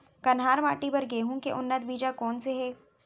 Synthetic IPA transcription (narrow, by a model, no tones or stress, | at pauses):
kɐnɦaːɾma̰ːʈibɐɾɡeːɦũkeʔʊnːət̪̚biːd͡ʒakɔːnseɦɛː